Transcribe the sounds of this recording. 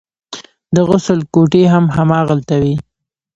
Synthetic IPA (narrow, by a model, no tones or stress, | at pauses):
d̪əɣʊsəlkoʈeɦamɦamɑɣalt̪awi